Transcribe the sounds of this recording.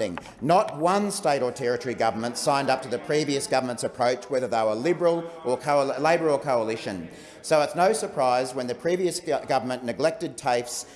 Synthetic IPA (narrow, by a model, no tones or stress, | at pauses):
ɪ̰̃ŋ | nət̚wʌ̃nsteɪɾə˞tʰɛɹɨɾʰə˞iɡʌvə˞mə̃ntsãɪ̃ndʌp̚tɨðɨpʰɹ̥iviɨsɡ̥ʌvə˞mə̃ntsɨpʰɹ̥oʊt͡ʃwɛðə˞ðeʊə˞lɪbə˞l̩ˠʔə˞kʰoʊleɪbə˞l̩ˠkʰoʊəlɪʃɨ̃n | soʊətsnoʊsə˞pʰɹ̥aɪzwə̃nðɨpʰɹ̥iviɨsɡʌvə˞mə̃nːɨɡlɛk̚tɨd̚tʰeɪfs